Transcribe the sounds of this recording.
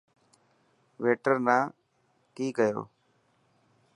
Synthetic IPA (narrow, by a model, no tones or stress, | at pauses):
ʋeːʈəɾnãː | kiːkəjo̰ː